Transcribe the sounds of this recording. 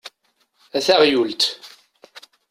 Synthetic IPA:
æθæʁjult̪

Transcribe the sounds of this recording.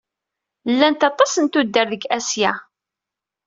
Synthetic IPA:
lːænt̪ɑt̪ˤːɑsənt̪ud̪ːəɾðəɡæsjæ

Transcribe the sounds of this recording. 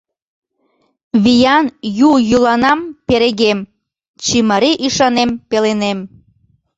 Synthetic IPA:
βijɑnjujulɑnɑmpeɾeɣem | t͡ɕiməɾeʔiʃɑnempelenem

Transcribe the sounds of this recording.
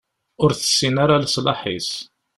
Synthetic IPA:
ʊɾθə̥sːinaɾaləsˤlɑ̰ħḭs

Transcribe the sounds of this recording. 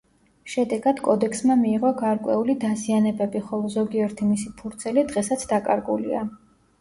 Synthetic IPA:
ʃɛd̪ɛɡad̪̥kʼɔd̪ɛksmamiːʁɔɡaɾkʼwɛ̰ulid̪azianɛbɛbiχɔlˠɔzɔɡiɛɾt̪ʰimisipʰuɾt̪sʰɛlid̪ʁɛsat̪sʰd̪akʼa̰ɾɡulḭa

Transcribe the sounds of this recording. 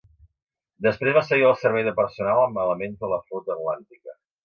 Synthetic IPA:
d̪əspɾezβasəɣiəlˠsəɾβɛjðəpəɾsunalˠəmələmenzðələfut̪əːt̪lant̪ikə

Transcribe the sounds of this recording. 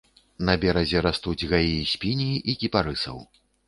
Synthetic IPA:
nɐbʲɛɾɐzʲɛɾast̪ud͡zʲɣajisʲpʲinʲiʔikʲipaɾɨsɐ̰w

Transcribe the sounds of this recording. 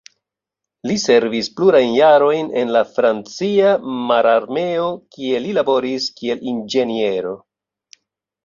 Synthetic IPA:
lise̞ɾvispluɾajnjaɾo̞jne̞̰nlafɾant͡siamaɾaɾme̞o̞kie̞lilabo̞ɾiskie̞lind͡ʒe̞nie̞ɾo̞

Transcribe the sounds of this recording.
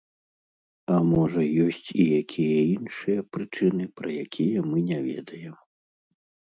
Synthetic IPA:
ɐmɔʐɐjɔsʲt͡sʲijakʲʰijɐinʂɨjɐpɾɨt͡ʂɨnɨpɾɐjakʲʰijɐmɨnʲavʲɛ̰d̪ɐjɛm

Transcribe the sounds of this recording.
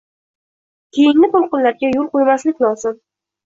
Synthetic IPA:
kʲʰejɪŋnɪt̪olˠqɨnlaɾɡʲajolˠqojmaslɪkʲlˠɒzɪm

